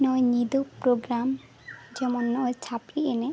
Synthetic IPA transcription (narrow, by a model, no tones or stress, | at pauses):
nɔenid̪opɾoɡɾam | d͡ʑɛmonːɔet͡ɕʰapɾiene